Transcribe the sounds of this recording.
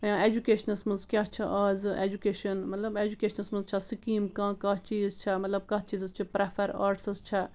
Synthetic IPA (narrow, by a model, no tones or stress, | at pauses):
jãːed͡ʒukeːʃɐnɐsmɐ̃nzkʲjɐɦt͡ʃʰɐʔɐːzḛːd͡ʒukeːʃɐnmɐt̪lɐbeːd͡ʒukeːʃɐnɐsmɐnzt͡ʃʰɐsikiːmkãːkɐt͡ʃiːzt͡ʃʰɐmɐt̪lɐb̚kɐɦt͡ʃiːzɐzt͡ʃʰipɾefʰɐɾa̰ːɾʈsɐzt͡ʃʰɐ